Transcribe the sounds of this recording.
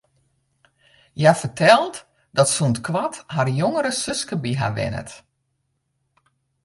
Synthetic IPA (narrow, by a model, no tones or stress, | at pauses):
jafərtʰɛlˠt | dɔtsuntkʋatharjoŋəɾəsøskəbiɦa̰ʋɪ̰nə̰t